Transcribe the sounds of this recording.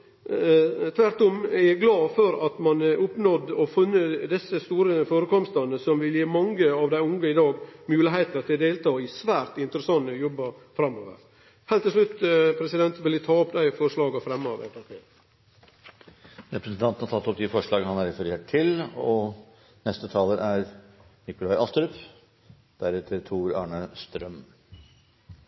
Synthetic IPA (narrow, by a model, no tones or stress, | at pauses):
t̪ʰʋæɾt̪ɔmɛɡlɑːfɔɾɑt̪mɑnʊpnɔd̪ɔfʉnːəd̪ɛsːəst̪uːɾəfoːɾəkɔmst̪ɑnəsɔmʋɪljeːmɑŋɡəɑʋd̪æɪʊŋɡəɪd̪ɑːɡmʉːlɪɦæɪt̪əɾt̪ʰɪd̪eːlt̪ʰɑːɪsʋæːɾt̪ɪnt̪əɾəsɑŋːəjɔbːɑɾfɾɑmːo̰ːʋə̰ɾ | hælt̪ːɪls̬ʂlʉt̪ːpʰɾɛsɪd̪ɛnt̪ʋɪld̪ɪt̪ʰɑːɔpd̪æɪfɔɾʂɭɑːɡəfɾɛmːoːʋæ̰pæpʰeː | ɾɛpɾɛsn̩t̪ʰɑnt̪nhɑt̪ɑt̪ːɔp̚d̪ɪfɔʂɭɑːɡəhɑnæɾɛfəɾeːʈʰːɪlɔ | nɛst̪ət̪ʰɑːləɾæɾ | nɪkʊlæɪʔɑst̪əɾʏp | d̪̥æɾɛt̪ʰəɾt̪ʰuːɾɑ̰ːɳəst̪ɾœm